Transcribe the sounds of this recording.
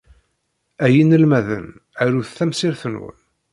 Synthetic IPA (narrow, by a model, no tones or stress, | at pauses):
æjinəlmæðə̰næɾuθθæmsiɾθənwə̰n